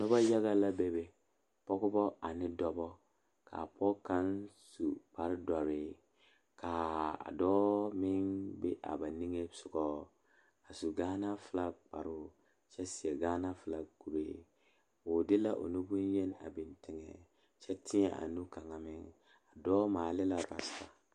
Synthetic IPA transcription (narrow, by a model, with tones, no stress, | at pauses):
nʊ˦ba˦ja˦ɣa˦la˦bɛ˦be˨ | pɔ˦ɣʊ˦bɔ˦ʔa˨nɪ˦dɔ˦bɔ˦ | ka̰˨pɔ˦ka˦nsu˨pa˨ɾɪ˦da˨ɾɪː˦ | kʰa˨a̰˨dɔː˦mɪ˦nbe˦ʔa̰˨ba˨ni˦ŋe˦sʊ˨ɡɔː˦ | a˨su˨ɡaː˦na˦fɨ˨la˦k͡ppa̰˨ɾʊ˦˨ | t͡ʃɛ˦si˨ɛ˨ɡaː˦na˦fɨ˨la˨ku˨ɾeː˦ | o˨dɪ˦la˦ʔo̰˨nu˦bu˦n˦jɛ˦na̰˨bɪ˨ntɪ˨ŋɛ̰˨ | t͡ʃɛ˦tʰɪ˦ɲɛ̰˨ʔa̰˨nu˦ka˨ŋa˨mɪ˦ŋ | a˨dɔː˦maː˨lɪ˦la˨ɾa̰˨sɪ˨ba˨